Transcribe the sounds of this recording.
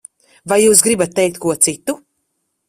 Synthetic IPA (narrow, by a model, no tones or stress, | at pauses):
vajːuːs̬ɡɾibat̪̚ːɛjk̚t̪̚kuɔt̪sit̪u